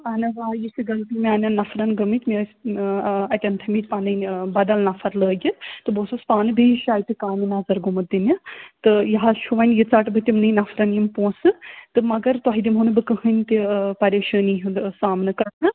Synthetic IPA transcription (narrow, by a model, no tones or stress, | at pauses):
aːnɐʋaːjisiɡɐlt̪imʲiaːnʲɐnnːɐfʰɾɐnɡɐmit̪ʲmi | ɐt̪ʲɐnt̪ʰɐmit̪̚ʲpaːnɐbɐd̪ɐlnɐfʰɐɾləːɡʲit̪ɨboːsuspaːnɨbijʃaːjt̪ikaːminɐzɐɾɡumɨt̪ːinɐt̪ɨjɐɦalt͡ʃʰuʋɐnʲjit͡saʈbɨt̪ʲimnɨnɐfʰɾɐnjimpõːsɨt̪ɨmɐɡɐɾt̪waɦid̪imɦunɨbɨkəɦɐnʲt̪ipɐɾʲeːʃəːniɦusaːmnɨkɐɾnɨ